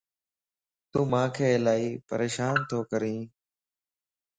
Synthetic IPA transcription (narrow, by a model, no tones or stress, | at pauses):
t̪ũːmãːkʰeːlaːiːpəɾeːʃaːnt̪ʰoːkəɾĩː